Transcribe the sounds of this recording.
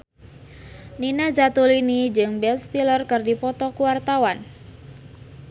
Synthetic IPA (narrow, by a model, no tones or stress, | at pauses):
ninad͡ʒat̪ulinid͡ʒɨŋbɛlst̪ilərkɨrdipɔt̪ɔkuwart̪awan